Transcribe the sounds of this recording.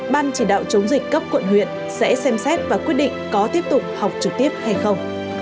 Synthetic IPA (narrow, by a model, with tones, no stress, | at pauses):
ɓaː˧nt͡ɕi˧˩ɗa̰ː˧˨wt͡ɕə˨˦wŋ͡mzi˨˩k̟̚kə˦˥p̚kwə̰˧˨nhwḭ˧˨ən | sɛ̰˧˥sɛ˧msɛ˦˥t̚vaː˨˩kwi˦˥ət̚ɗḭ˧˨ŋ̟kɔ˨˦t̪i˦˥əp̚t̪ʊ˨˩k͡p̚ha˨˩wk͡p̚t͡ɕɨ˨˩k̚t̪i˦˥əp̚ha˧jxə˧wŋ͡m